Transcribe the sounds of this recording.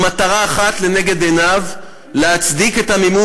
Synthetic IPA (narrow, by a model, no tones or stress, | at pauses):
mat̪aʁaːχat̪le̞neɡe̞d̪enav | leat͡sd̪iket̪hamimu